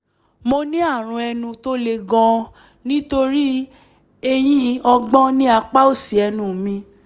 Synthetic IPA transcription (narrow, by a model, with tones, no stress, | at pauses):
mo˧nĩ˦a˦˨ɾ̃ũ˧ɛ˧nũ˧to˦le˧ɡɔ̃˧ | nĩ˦to˧ɾi˦ | e˧j̃ĩ˦ɔ˧ɡ͡bɔ̃˦nĩ˦a˧k͡pa˦o˦˨si˨ɛ˧nũ˨mĩ˧